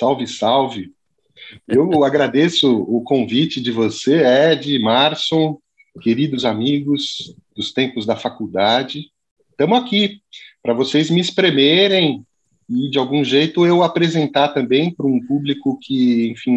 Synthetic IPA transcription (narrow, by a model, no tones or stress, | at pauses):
sawvɪsawvɪ | ewaɡɾad̪esʊʊkõvit͡ʃɪd͡ʒɪvoseɛd͡ʒɪmaɾsõ | keɾid̪ʊzamiɡʊs | d̪̥ʊst̪ẽmpʊzd̪ɐfakuwd̪ad͡ʒɪ | t̪ɐ̃mʊakipɾɐvosejzmɪispɾemeɾẽj̃ | ɪd͡ʒɪawɡũʒejt̪ʊewapɾezẽnt̪aɾt̪ɐ̃mbẽj̃pɾʊũpublikʊkʰɪẽj̃fĩ